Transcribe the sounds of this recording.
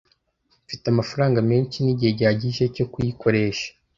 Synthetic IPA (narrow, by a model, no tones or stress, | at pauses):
fitamafaɾaːŋɡameːnt͡ʃiniɟihe̞ɟaaɟiʒe̞co̞kujiko̞ɾe̞ːʃḁ